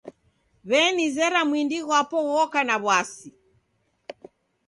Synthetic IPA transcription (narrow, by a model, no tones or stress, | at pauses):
βɛnizɛɾamwindiɣwapɔɣɔkanaβwasi